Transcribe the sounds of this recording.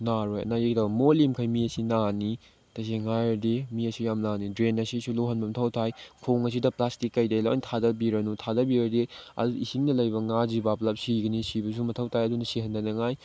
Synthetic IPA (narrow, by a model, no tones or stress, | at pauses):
naɾojɐ̰najekdabɐmolimkʰajmiɐsinani | tɐs̬eŋajɐdemiɐsijamnanidɾenɐsisuloɦɐnbɐmɐtʰɐwtʰajkʰoŋɐs̬idɐplastikːɐjdɐjla̰ntʰadɐbiɾɐnutʰadɐbiɾɐdeɐ̰duisiŋnɐlɐjbɐŋazibaplɐp̚siɡɐnisibɐs̬umɐtʰɐwtʰajɐdunɐsiɦɐndɐnɐŋaj